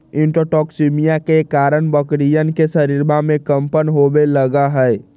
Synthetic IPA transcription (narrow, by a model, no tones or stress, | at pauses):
ɪ̃ɳʈoʈɔːksimijakekaːɾənbəkɾijənkesəɾiɾbamẽkəmpənɦobeləɡaɦɛɛ